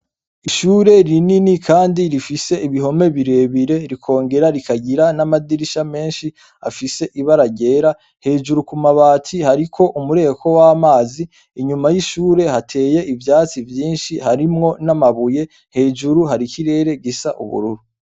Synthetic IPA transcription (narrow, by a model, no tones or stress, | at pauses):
iʃuːɾe̞ɾininikʰaːndiɾifise̞iβiɦo̞me̞βiɾe̞ːβiɾe̞ɾikʰo̞ːŋɡe̞ɾaɾikaɟiɾanamadiɾiʃame̞ːnʃi | a̰fise̞ʔiβaɾaɟe̞ːɾa | he̞ːd͡ʒuɾukumaβaːtʰihaɾikʰo̞ʔumuɾe̞kʰo̞wamaːziː | ɲumajiʃuːɾe̞hatʰe̞ːje̞ʔivjaːt͡sivjiːnʃihaɾimŋo̞namaβuje̞ | he̞ːd͡ʒuɾuɦaɾikiɾe̞ːɾe̞ɡisaʔṵβṵɾuɾu